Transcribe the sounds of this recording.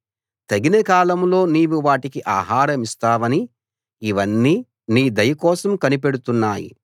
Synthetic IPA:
t̪ɐɡinɐkaːlɐmlo̞ːniːʋuʋaːʈikiʔaːɦaːɾɐmist̪aːʋɐni | iʋɐnːiː | niːd̪ɐjɐkɔːsɐmkɐnip̬eɽut̪unːaːjḭ

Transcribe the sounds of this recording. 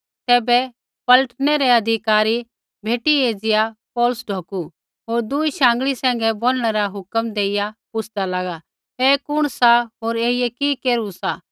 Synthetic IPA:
t̪ɛːbɛ | pɐləʈñɛɾɛɐd̪ʱɪkaːɾi | bʱeːʈieːd͡zɪjapɔːlʊsɖʱoːku | ɦoːɾd̪uːiʃãːŋɡɭisɛ̃ːŋ̆ɡɛboːlɽ̃ɛɾaɦʊkəmd̪eːɪjapʊt͡ʃʰd̪alaːɡa | eːkʊɽ̃saɦoːɾeːɪjɛkikeːɾusa

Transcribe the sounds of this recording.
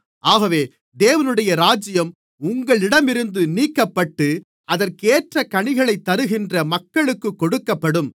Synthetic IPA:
ʔaːɣɐʋeː | d̪eːʋɐnɯɽɐjɐɾaːd͡ʒɪjɐm | ʊŋɡɐɭɪɽɐmɪɾɯnd̪ɯniːkːɐpːɐʈːɯ | ɐðɐɾkeːʈrɐkɐɳɪɣɐɭɐɪt̪ːɐɾɯɣɪndrɐmɐkːɐɭɯkːɯkːɔɽɯkːɐpːɐɽɯm

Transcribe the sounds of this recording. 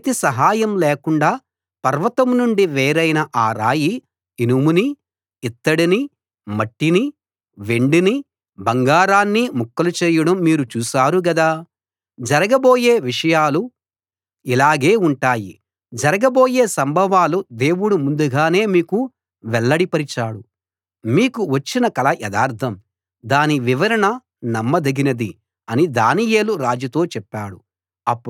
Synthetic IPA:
t̪isɐɦaːjɐmleːkuɳɖaː | pɐɾʋɐt̪ɐmnuɳɖiʋeːɾɐjnɐʔaːɾa̰ːji | inumuni | it̪ːɐɽini | mɐʈːini | ʋeɳɖini | bɐŋɡaːɾaːnːimukːɐlut͡ʃeːjɐɽɐmːiːɾut͡ʃuːsaːɾuɡɐd̪aː | d͡ʒɐɾɐɡɐbo̞ːje̞ːʋiʂɐjaːlu | ilaːɡe̞ːuɳʈaːji | d͡ʒɐɾɐɡɐbo̞ːje̞ːsɐmbʱɐʋaːlud̪e̞ːwuɽumund̪uɡaːne̞ːmiːku | ʋɛlːɐɽipɐɾit͡ʃaːɽu | miːkuʋɐt͡ʃːinɐkɐlɐjɛd̪aːɾt̪ʰɐm | d̪aːniʋiʋɐɾɐɳɐ | nɐmːɐd̪ɐɡinɐd̪i | ɐnid̪aːnije̞ːluɾaːd͡ʒɐt̪o̞ːt͡ʃɛpːaːɽu | ɐpːu

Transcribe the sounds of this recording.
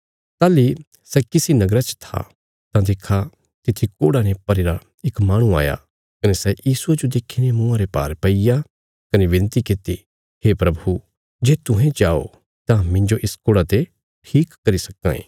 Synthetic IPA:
t̪aːli | sɛkɪsinɐɡɾat͡ʃt̪ʰa̰ | t̪ãd̪eːkʰːa | t̪ɪt̪ʰːikoːɽanepɐɾeːɾa | ɪkmaːɽ̃ũa̰ːja̰ | kɐnesɛjiːsued͡ʒod̪eːkʰinemʊ̃ãɾepaːɾpɐija | kɐneʋɪ̃nt̪ikɪt̪i | hepɾɐbʱu | d͡ʒeːt̪ʊɦɛ̃t͡ʃaːo̰ | t̪ãmɪ̃ɲd͡ʒoʔɪskoːɽat̪e | ʈʰiːkːɐɾisɐkːã̰ːḛ̃ː

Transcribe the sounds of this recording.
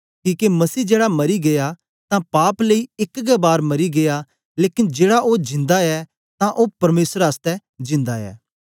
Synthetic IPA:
kiːkemɐsiːd͡ʒeːɽamɐɾiɡeja | t̪ãpaːpleiɪkɡɛbaːɾmɐɾiɡeja | leːkɪnd͡ʒeːɽaʔod͡ʒɪ̃nd̪aɛ | t̪ãʔopɐɾmeːsəɾaːst̪ɛ | d͡ʒɪ̃nd̪aɛ̰ː

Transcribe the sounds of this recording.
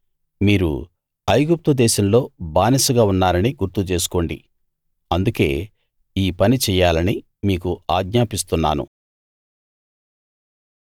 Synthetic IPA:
miːɾṵ | ɐjɡup̚t̪ud̪ɛːʃɐmlo̞ːbaːnɐsuɡaːunːaːɾɐniɡuɾt̪ut͡ʃe̞ːs̬u̥ko̞ːɳɖḭ | ɐnd̪uke̞̰ː | iːpɐnit͡ʃɛːjːaːlɐni | miːkuaːɡ̚ɲaːpist̪unːa̰ːnṵ

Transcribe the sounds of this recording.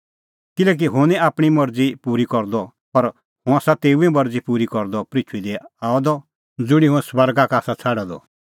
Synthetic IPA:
kɪlɛːk̬iɦʊ̃nĩaːpɽ̃imɔɾd͡zipuːɾikɔɾd̪ɔ | pɐɾ | hʊ̃aːsat̪eːuɛ̃mɔɾd͡zipuːɾikɔɾd̪ɔpɾɪt͡ʃʰuid̪ɛaːɔd̪ɔ | d͡zʊɽ̃iɦʊ̃ɛ̃swɐɾɡakaːsat͡sʰaɽad̪ɔ̰

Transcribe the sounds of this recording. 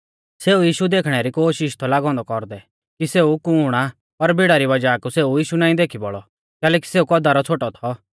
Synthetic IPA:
seːujiːʃud̪eːkʰɽ̃ɛɾikoːʃɪʃt̪ʰɔlaːɡɔ̃ːnd̪ɔkɔɾd̪ɛ | kiseːukuɽ̃a | pɐɾbiɽaɾiʋɐd͡ʒaːkuseːujiːʃunaːĩd̪eːkʰibɔɭɔ | kɛːlɛːki̥seːukɔd̪aɾɔt͡sʰoːʈɔt̪ʰɔ

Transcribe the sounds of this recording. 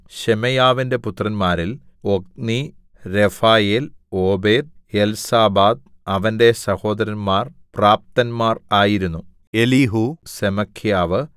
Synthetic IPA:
ɕemɐjaːʋinde̞put̪rɐnmaːɾil | o̞k̚ni | ɾefaːjeloːbe̞ːd̪̚elsaːbaːd̪̚ | ɐʋɐnde̞sɐho̞ːd̪ɐɾɐnmaːrpraːp̚t̪ɐnmaːraːjiɾunːu | eliɦusemɐkʰːjaːʋɨ

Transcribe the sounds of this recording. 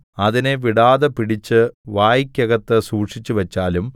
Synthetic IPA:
ɐðineʋiɽaːðɐpiɽit͡ɕːɨʋaːjikʲːɐɣɐt̪ːɨsuːʈʂit͡ɕːuʋɐt͡ɕːaːlum

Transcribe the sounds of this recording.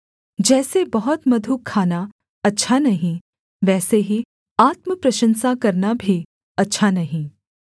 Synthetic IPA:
d͡ʒɛːsebɐɦʊt̪mɐd̪ʱukʰːaːna | ɐtːʃʰanɐɦĩ | ʋɛːseɦi | aːt̪məpɾɐʃə̃nsakɐɾnabʱi | ɐtːʃʰanɐɦĩ

